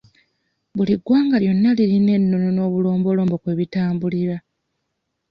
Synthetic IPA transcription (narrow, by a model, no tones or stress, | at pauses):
βuliɡwaːŋɡaljo̞nːaliline̞nːo̞no̞no̞ːβulo̞ːmbo̞loːmbo̞kwe̞ːβitaːmbuliɾa